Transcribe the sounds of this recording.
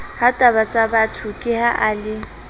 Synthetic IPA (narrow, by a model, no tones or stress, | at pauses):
hatʼaβat͡sʼabatʰʊkʼɪhaʔaːlɪ